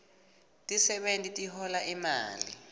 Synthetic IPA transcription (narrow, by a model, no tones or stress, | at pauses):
tʼisɛɓentʼitʼiɦɔlaʔima̰ːlḭ